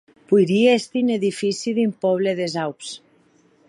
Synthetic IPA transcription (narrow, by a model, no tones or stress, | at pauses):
pujɾiest̪ineðifisiðimpɔβ̞leðezawps